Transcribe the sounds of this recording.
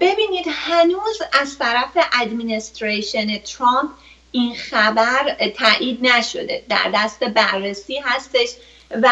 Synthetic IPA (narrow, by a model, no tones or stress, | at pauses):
b̥e̞biːniːd̪hænuːzæzt̪ʰæɾæfe̞ʔæd̪minest̪ɾeʃonet̪ʰɾɔmpʰ | ʔinxæbæɾt̪ʰæːʔiːd̪næʃo̞̰d̪e̞̰d̪æ̰ɾd̪æst̪e̞bæɾːesiːɦæst̪e̞ʃ | væ